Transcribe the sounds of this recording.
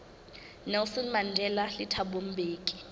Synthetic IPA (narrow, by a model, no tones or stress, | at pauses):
nɛlsɔnmandʱɛlalitʰaɓom̩beːkʼi̥